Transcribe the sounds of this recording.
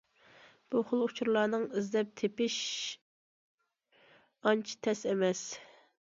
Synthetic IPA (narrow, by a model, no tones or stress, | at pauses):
b̥uχʊlˠʊt͡ʃʰuɾlˠɑːnɨŋizd̪ɛp̚t̪ʰepɪʃ | ɑnt͡ʃʰi̥t̪ʰɛsɛmɛs